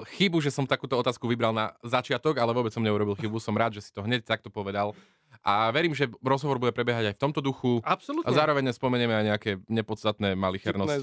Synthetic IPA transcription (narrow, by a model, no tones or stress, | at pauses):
xibuʒɛsɔmt̪akuːt̪ɔɔt̪aːskuʋibɾalnazat͡ʃɪat̪ɔɡalɛʋɔbɛt͡ssɔmɲɛuɾɔbilˠxibusɔmɾaːd̪ʒɛsi̥t̪ɔɦɲɛc̚t̪ak̚t̪ɔpɔʋɛd̪al | ʔaʋɛɾiːmʒɛɾɔzɦɔʋɔɾbuɟɛpɾɛbjɛɦaɟajft̪ɔmt̪ɔd̪uxuapsɔlut̪azaːɾɔʋɛɲːɛspɔmɛɲɪɛmɛajɲɛakɛːɲɛpɔt̪st̪at̪nɛːmalixɛɾnɔ